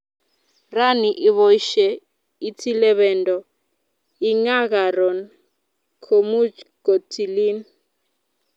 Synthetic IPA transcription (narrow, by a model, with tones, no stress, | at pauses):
ra˦ni˨ʔi˦βɔ˦ʃɛ˦ | i˦tʰi˦lɛ˦βɛ˨ndɔ˨ | i˦ŋa˦ka˨ɾɔ˨n | kʰo˨mu˦ko˨tʰi˨liː˦n